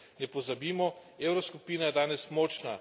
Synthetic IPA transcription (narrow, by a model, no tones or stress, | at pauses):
nɛpɔzabiːmɔ | eːwɾɔskupiːnajɛd̪aːnɛsmɔːt͡ʃna